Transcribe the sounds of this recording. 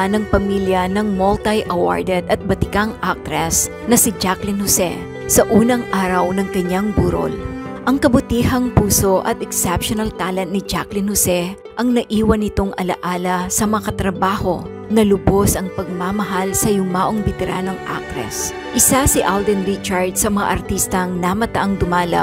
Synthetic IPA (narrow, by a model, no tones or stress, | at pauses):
nɐŋpɐmiljɐnɐŋmolt̪ɐjʔɐwa̰ɹd̪ɛd̪ɐt̪̚bɐt̪ɪkɐŋʔak̚t̪ɾɛs | nɐsɪd͡ʒaklɪnhosɛ | sɐʔuːnɐŋʔaːɾɐwnɐŋkɐɲːaŋbuɾo̰lʔɐŋkɐbʊt̪iːhɐŋpuːso̞ʔɐ̰t̪̚ɛksɛpʃonɐlt̪aːlɐnt̪nɪd͡ʒaklɪnhosɛ | ʔɐŋnɐʔiːwɐnɪt̪o̞ŋʔɐlɐ̰ʔaːlɐsɐmɐŋakɐt̪ɾɐbaːho̞ | nɐlʊbo̞sɐŋpɐɡ̚mamɐɦalsɐjʊmaːʔo̞ŋbɛt̪ɛɾaːno̞ŋʔa̰k̚t̪ɾɛ̰s | ʔɪsasɪʔald̪ɛnɾit͡ʃɐɹd̪̚sɐmɐŋa̰ʔɐɾt̪ist̪ɐŋnɐmɐt̪aʔɐŋd̪ʊmaːlɐ̰